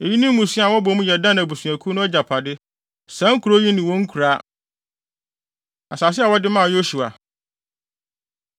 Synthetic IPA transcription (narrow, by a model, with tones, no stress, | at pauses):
e˨ji˦nĩ˦mː˦ũ˨sĩ˦a˨wɔ˦bɔ˨˦mũ˦jɛ˨dã˦n˨a˨bu˨sũ˨æ˨kʰu˦nʊ̃˦ɛ˦d͡ʑa˨pʰa˨dɪ˦ | sã˦ŋ̩˦kʰu˨ɾo˦ji˦nĩ˨wɔ̃˦ŋ̩˦kʰu˨ɾa˦ | a˨sa˨s̬ɪ˦a˨wɔ˦dɪ˦mã˦˨jo˦ɕu˨a̰˨